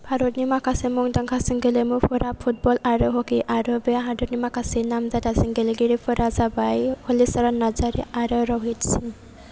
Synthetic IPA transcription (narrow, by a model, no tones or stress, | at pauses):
bʱaɾɔtnimakʰasemɔŋdaŋkʰasɯŋɡelemupʰɔɾapʰut̚bɔlaɾɔɦɔkiʔaɾɔbeɦadɔtnimakʰasenamzatasiŋɡeleɡiɾipʰɯɾazabajhɔlisaɾanazaɾḭʔaɾɔɾɔɦitsiŋ